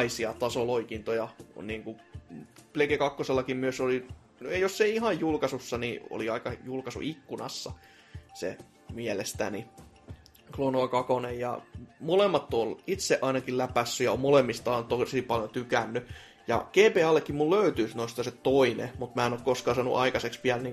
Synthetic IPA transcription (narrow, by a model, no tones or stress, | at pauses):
isiɑt̪ɑsoloikint̪ojɑniːŋku | plekekɑkːoselːɑkimmyøsoli | josseihɑjjulkɑsusːɑnio̰liɑikɑjulkɑsṵʔikːunɑ̰sːɑ̰ | sḛ | mielest̪æ̰ni | klonoɑkɑkonejjɑ̰molemːɑt̪ːolit̪seʔɑinɑkillæpæsːyjɑommolemːist̪ɑːnt̪osipɑljot̪ykænːy | jɑ̰keːpeːɑlːekːimmulløyt̪yːsnoist̪ɑset̪oinḛmut̪mæːenokkoskɑːsɑːnṵʔɑikɑseksʋiælniːŋ